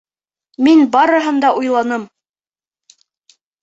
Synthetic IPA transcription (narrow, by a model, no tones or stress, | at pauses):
minbɑɾɤ̆ɦɤ̆nd̪ɑʔujlˠɑnɤm